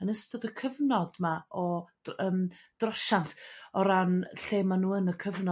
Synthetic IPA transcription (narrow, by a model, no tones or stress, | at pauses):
ənəstɔdəkʰəvnɔd̥maɔ̥əːmd̥rɔʃantʰɔɾanɬeːmanuːənəkʰəvnɔ